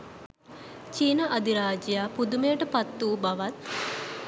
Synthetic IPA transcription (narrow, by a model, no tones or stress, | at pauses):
t͡ʃiːnəʔɐd̪iɾaːd͡ʒjaːpud̪umejʈəpat̪ːuːbaʋat̪̚